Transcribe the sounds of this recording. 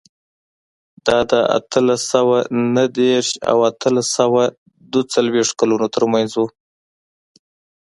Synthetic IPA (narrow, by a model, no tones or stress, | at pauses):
d̪̥ɑd̪əa̰t̪ʰəlasawanəd̪eɾʃa̰wat̪ʰəlasawa | d̪ət͡salweʂt̪kalunot̪əɾmanzwu